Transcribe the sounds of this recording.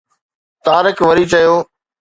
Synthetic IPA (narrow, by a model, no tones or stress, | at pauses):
t̪aːɾɪkʋɐɾiːt͡ʃɐjoː